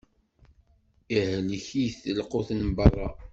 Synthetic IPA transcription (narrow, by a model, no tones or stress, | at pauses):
ihələçijθəlqoθnmbɑrˤːɑ̰